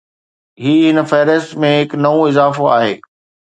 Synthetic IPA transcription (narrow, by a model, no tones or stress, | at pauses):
ɦiːɦɪnfɛːɾəstmẽɦɪknɐũɪzaːfoa̰ːɦeː